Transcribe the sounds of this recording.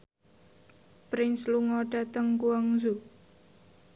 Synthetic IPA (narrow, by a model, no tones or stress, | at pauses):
pɾɪnsluŋɔɖ̥a̤t̪əŋkuaŋzu